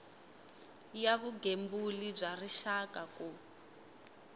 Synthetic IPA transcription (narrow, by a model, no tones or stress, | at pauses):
jaβuɡembulib͡ʐariʃakaku